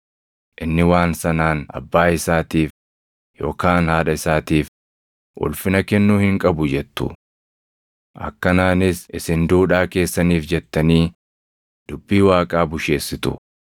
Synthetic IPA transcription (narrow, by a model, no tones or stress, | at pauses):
ʔɪnːɪwaːnsɐnaːnɐ̰bːaːɪsaːt̪iːf | jo̞ːkaːnhaːᶑɐɪsaːt̪iːf | ʔʊ̰lfɪnɐkɛnːuːhɪŋkʼɐbʊd͡ʒɛt̪ːʊ̰ | ʔɐ̰kːɐnaːnɪsʔɪsɪnd̪uːᶑaːke̞ːsːɐniːfd͡ʒɛt̪ːɐniː | d̪̥ʊbːiːwaːkʼaːbʊʃe̞ːsːɪt̪ʊ̰